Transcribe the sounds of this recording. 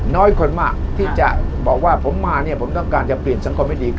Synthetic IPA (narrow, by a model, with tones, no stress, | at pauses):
nɔː˦˥jkʰo˧nmaː˥˩t̪ʰiː˥˩t͡ɕa̰˨˩ʔbɔː˨˩k̚waː˥˩pʰo˩˦mːaː˧ni˥˩ɐpʰo˩˦mt̪ɔ˥˩ŋkaː˧nt͡ɕa˨˩pli˨˩ənsa˦ŋkʰo˧ma˥˩jdiː˧k